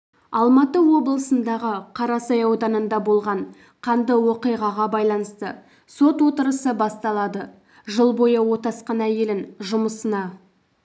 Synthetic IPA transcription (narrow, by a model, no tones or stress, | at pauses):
ɑlˠmɑt̪əwo̞blˠəsənd̪ɑʁəqʰɑɾɑsɑjɑwd̪ɑnənd̪ɑbo̞lˠʁɑɴ | qʰɑnd̪əwo̞qijʁɑʁɑbɑjlˠɑnəst̪ə | so̞t̪wo̞t̪əɾəsəbɑst̪ɑlˠɑd̪ə | ʒəlˠbo̞jəwo̞t̪ɑsqɑnæje̞lɪnʒʊməsənɑ